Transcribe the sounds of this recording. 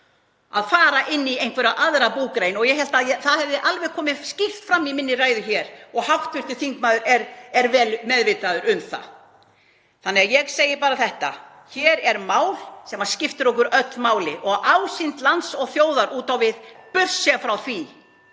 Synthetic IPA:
aðfaːɾaʔɪnːiejnkʰvɛɾaʔaðɾapuːkɾejnɔɣjɛɦɛlt̪aðjɛθaðhɛvðɪʔalvɛɣkʰɔːmɪscɪft̪fɾamːimɪnːɪraːjðʏçɛːɾ̥ɔɣhaft̪vʏr̥t̪ʏθiŋkmaːðʏɾɛɾɛɾvɛːlmɛðvɪt̪aðʏɾʏmθa̰ | θanːɛɣajɛɣseːjɪpaːɾaθɛht̪a̰ | çɛːɾɛɾmaːwlsɛmascɪft̪ɪɾɔhk̬ʏɾœt̪lmaːwlɪʔɔɣawsɪnt̪lant̪sɔɣθjoːwðaɾʔuːt̪awvɪðpʏr̥sɛafɾawθvi

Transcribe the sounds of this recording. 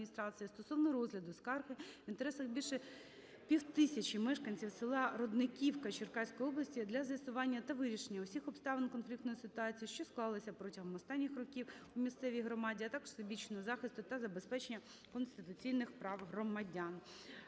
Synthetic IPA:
nʲist̪ɾɑt͡sʲijɐst̪ɔsɔwnɔɾɔzɦlʲɐd̪ʊskɑrxɪʋʲint̪eɾɛsɐxbʲilʲʃɛ | pʲiwt̪ɪsʲɐt͡ʃimɛʃkɐnʲt͡sʲiwsɪlˠɑɾɔd̪nɪkʲiwkɐt͡ʃɪrkɑsʲkɔjɔblˠɐsʲtʲid̪lʲɐzjɐsʊʋɑnʲːɐt̪ɐʋɪɾʲiʃenʲːɐʊsʲixɔpst̪ɑʋenkɔnflʲikt̪nɔjisɪt̪ʊɑt͡sʲijiʃt͡ʃɔsklˠɑlˠɪsʲɐpɾɔtʲɐɦɔmɔst̪ɑnʲːixrɔkʲiwʊmʲist̪sɛʋʲiɦɾɔmɑdʲiɐt̪ɑkɔ̥ʒ̥sɔbʲit͡ʃnɔɦɔzɑxɪst̪ʊt̪ɐzɐbespɛt͡ʃenʲːɐ | kɔnst̪ɪt̪ʊt͡sʲijnɪxpɾɑwɦrɔmɐdʲɑn

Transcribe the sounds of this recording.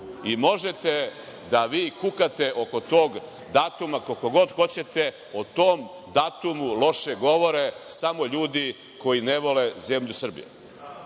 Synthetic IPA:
imo̞ʒe̞t̪e̞ | d̪aʋiːkukat̪e̞ʔo̞ko̞t̪o̞ːɡ | d̪aːt̪umakokoɡo̞d̪xo̞t͡ɕe̞t̪e̞ | ot̪oːm | d̪aːt̪umulo̞ʃeɡo̞ʋo̞ɾesamo̞ʎuːd̪i | ko̞jineʋo̞leze̞mʎusr̩bḭjḛ

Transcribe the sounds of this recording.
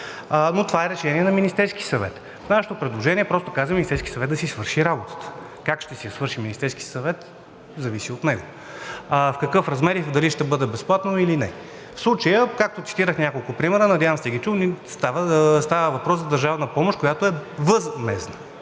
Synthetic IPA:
not̪ovaɛɾɛʃɛniɛnɐminist̪ɛɾskisɐvɛ̰t̪ | fnaʃɛt̪opɾɛd̪lˠoʒɛniɛpɾɔst̪okazvəminist̪ɛɾski̥sɐvɛt̪d̪ɐsisvɤɾʃiɾabot̪ə̥t̪ə̥ | kakʃt̪ɛsijɐsvɤɾʃiminist̪ɛɾskiəsɐvɛt̪ | zɐvisiot̪nɛɡo | fkɐkɤfɾɐzmɛɾid̪ɐliʃt̪ɛbɤd̪ɛbɛsplˠat̪noilinɛ̰ | fslˠut͡ʃəjəkak̚t̪ot̪si̥t̪iɾəxnʲakolˠkʊpɾimɛɾənɐd̪javəmsɛɡit͡ʃunist̪avəst̪avəvɐpɾɔszɐd̪ɐɾʒavnəpɔmoʃkojat̪oɛvəzmɛsnə

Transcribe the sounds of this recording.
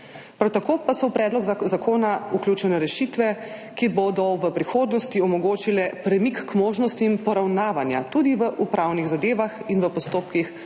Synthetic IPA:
pɾawt̪akoːpasɔpɾɛd̪lɔɡzakoːnauklʲjut͡ʃɛnɛɾɛʃit̪ʋɛ | kibod̪ɔʋəpɾixoːd̪nɔst̪iɔmɔɡoːt͡ʃilɛpɾɛmikːmoːʒnɔst̪iːmpɔɾawnaːʋanja̰t̪ud̪iʋəʔupɾawniɣzad̪eːʋaxinʋəpɔst̪oːp̚kix

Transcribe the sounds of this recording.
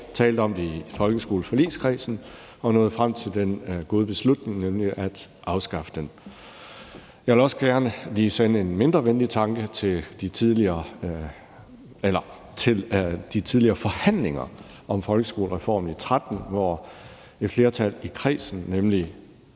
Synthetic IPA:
t͡sʰɛːld̥əɒ̽md̥efɒ̽lɡ̥əsɡ̥o̝̰ːl̩fɒlḭːskʰʁḭːsn̩ | ɒ̽nɔ̽ːð̩ˠfʁam̰t͡sʰe̝ld̥enɡ̥o̝ːð̞ˠb̥e̝slud̥ne̝ŋnemliʔæd̥ʔɑ̈ʊsɡ̥ɑ̈fə̥d̥en | jɑɪʋe̝lɒ̽səɡ̥æɐnəliːsenəe̝nme̝nd̥ʁɐʋenlit͡sʰɑ̈ŋɡ̥ət͡sʰe̝ld̥it͡sʰiðˠliɐː | elɐ | t͡sʰe̝ld̥it͡sʰiðˠliɐːfɒ̽hæn̰le̝ŋɐ̰ | ʔɒ̽mfɒ̽lɡ̥əsɡ̥o̝ːləʁɛfɒ̰ːmnit͡sʰʁad̥n̩ʋɒ | e̝d̥fle̝ːɐt͡sʰæl̰ikʰʁḭːsn̩nemli

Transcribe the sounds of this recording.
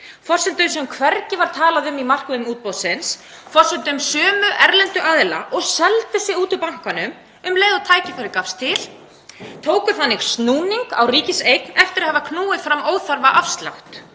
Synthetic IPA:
fɔr̥sɛnt̪ʏmsɛmkʰvɛɾcɪvaɾ̥t̪ʰaːlaðʏmimar̥kʏʏmuːt̪̚powsɪns | fɔr̥sɛnt̪ːmsœːmʏʔɛɾlɛnt̪ʏʔaːðɪla̰ʔɔɣsɛlt̪ɪsɪɣuːt̪ʏpawŋ̥kanʏm | ʏmlejðawt̪ʰaːjcɪfaɾɪkafst̪ʰɪl̥ | t̪ʰoːwkʏɾ̥θanːɪɣst̪nuːniŋka̰wriːcɪsejknɛft̪ɪɾaðhɛvakʰnuːɪfɾamːoːwθaɾvaʔafst̪la̰wht̪

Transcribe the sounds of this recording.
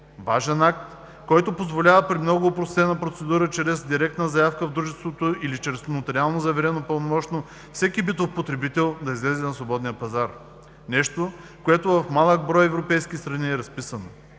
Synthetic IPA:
vaʒɛnak̚t̪ | kɔjt̪opozvolʲavəpɾimnɔɡʊːpɾost̪ɛnɐpɾot̪sɛd̪uɾət͡ʃɾɛzd̪iɾɛk̚t̪nəzɐjafkəvd̪ɾuʒɛst̪vot̪oilit͡ʃɾɛsnot̪ɾialˠnozɐvɛɾɛnopəlˠnomɔt͡ʃno | fsɛkibit̪ofpot̪ɾɛbit̪ɛlˠd̪ɐizlɛzɛnɐsvobɔd̪nijəpɐzaɾ | nɛʃt̪okoɛt̪ovɐfmalˠəɡ̚bɾɔjɛvɾopɛjskist̪ɾɐniɛɾɐspisəno

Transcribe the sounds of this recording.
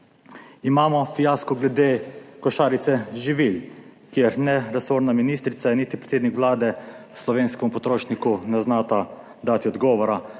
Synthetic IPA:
imaːmɔfijaːskɔɡlɛd̪eːkɔʃaːɾit̪sɛʒiʋilkjɛɾnɛɾɛsoɾnaminiːst̪ɾit̪sajɛniːt̪ipɾɛt̪eːd̪nikʋlaːd̪ɛ | slɔʋeːnskɛmupɔt̪ɾoːʃnikunaznaːt̪a | d̪aːt̪iɔd̪ɡɔːʋɔɾa

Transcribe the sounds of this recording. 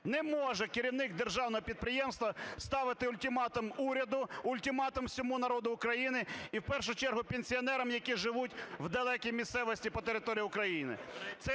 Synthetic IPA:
nɛmɔʒɛkɪɾʲiwnɪk̚d̪erʒɑwnɔɦɔpʲid̪̚pɾɪjɛmst̪ʋɐst̪ɑʋɪt̪ɪʊlʲt̪ʲɪmɑt̪ɐmuɾʲɐd̪ʊʊlʲt̪ʲɪmɑt̪ɐmsʲɔmunɐɾɔd̪ʊːkɾɐjinɪiwpɛrʃʊt͡ʃɛrɦʊpʲenʲsʲiɔnɛɾɐmjɐkʲiʒɪʋutʲwd̪ɐlˠɛkʲijmʲist̪sɛʋɔsʲtʲipɔt̪eɾɪt̪ɔɾʲijʊkɾɐjinɪ̰t̪sɛ

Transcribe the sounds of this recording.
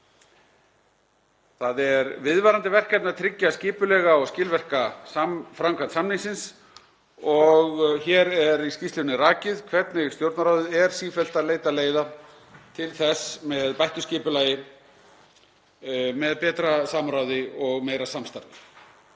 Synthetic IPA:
θaðɛɾvɪðvaːɾant̪ɪvɛr̥kɛt̪nat̪ʰɾɪcːascɪːpʏlɛɣaɔɣscɪːlvɛr̥kasafɾamkʰvant̪samnɪŋsɪns | ɔɣçɛːɾɛɾiscist̪lɪnɪraːcɪðkʰvɛt̪nɪɣst̪jowɾt̪naɾawðʏðɛɾ̥siːfɛl̥t̪aleːjt̪aleːjða | t̪ʰɪlθɛsmɛðpajht̪ʏscɪːpʏlaːjɪ | mɛðpɛːt̪ɾasamɾawðɪɔɣmeːjɾasamst̪aɾt̪

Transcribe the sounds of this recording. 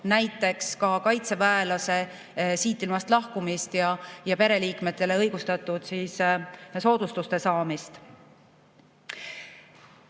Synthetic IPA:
næjt̪ːˑe̞kskɑkɑjt̪se̞væelɑse̞ | siːt̪ˑːilmɑst̪lɑhkumist̪jɑjɑpe̞ɾe̞liːkmet̪ˑːe̞le̞ɤjɡ̥ust̪ɑt̪ːˑud̪̥siːsso̞ːd̪̥ust̪ust̪e̞sɑːmist̪

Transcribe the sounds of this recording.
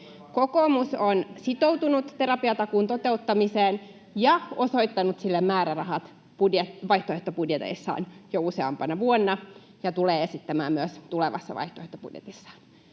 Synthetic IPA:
kokomusonsit̪owt̪unut̪t̪e̞ɾɑpiɑt̪ɑkuːnt̪o̞t̪e̞ut̪ːɑmiseːn | jɑo̞so̞it̪ːɑnut̪silːemmæːɾærɑɦɑt̪ | pudeʋɑjht̪oeht̪opudjet̪ḛisːɑ̰ːnjouseɑ̰mpɑnɑʋuonːɑ | jɑt̪uleːesit̪ːæmæːmmyøst̪uleʋɑ̰sːɑ̰ʋɑ̰jht̪oeht̪opṵd̥jḛt̪isːɑ̥ːn

